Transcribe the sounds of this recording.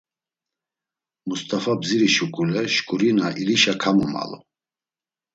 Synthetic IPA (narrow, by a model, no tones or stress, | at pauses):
must̪ʼafabziɾiʃukʼulɛʃkʼuɾinaʔiliʃakʰamɔma̰lɔ̰